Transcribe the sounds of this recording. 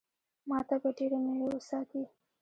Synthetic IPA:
mɑt̪abaɖeɾenewewəsɑt̪i

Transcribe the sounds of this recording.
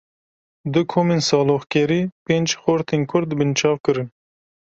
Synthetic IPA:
d̪ɨkʰoːmensɑːloχkʲɛɾiːpend͡ʒxoɾt̪ʰeːnkʰʊɾd̪bɨnt͡ʃʰɑːvkɨɾɨn

